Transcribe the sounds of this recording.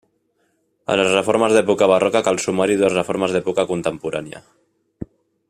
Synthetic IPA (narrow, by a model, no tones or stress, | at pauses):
ə̰ləzrefɔɾməzðɛpukaβ̞arɔkakalsumaɾiðuəzrefoɾməzðɛpukakunt̪əmpuɾanja̰